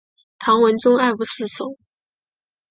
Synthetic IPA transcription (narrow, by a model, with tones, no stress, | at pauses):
t̪ʰɑ˧˥ŋwə˧˥nt͡sʊ˥ŋa˥˩ɪpu˧˥sɹ̩˥˩ʂo˨˩˦